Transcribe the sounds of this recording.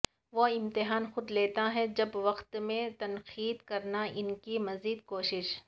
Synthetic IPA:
ʋoɪ̃mt̪ɪɦaːnxʊd̪leːt̪aɦɛd͡ʒɐbʋɐqt̪mẽt̪ɐnqiːd̪kɐɾnaɪnkimɐziːd̪koːʃɪʃ

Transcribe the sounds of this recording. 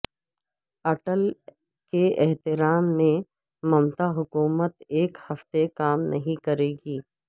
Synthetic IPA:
ɐʈəl | keɛɦt̪ɪɾaːmːẽ | mɐmt̪aɦʊkuːmət̪eːkhɐft̪ekaːmnʔɐɦĩkɐɾeːɡiː

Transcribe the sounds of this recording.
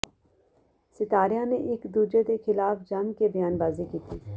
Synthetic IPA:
sɪt̪aːɾɪjaneʔɪkd̪uːd͡ʒed̪exʰɪlaːfd͡ʒamkebəjaːnbaːzikiːt̪ʰiː

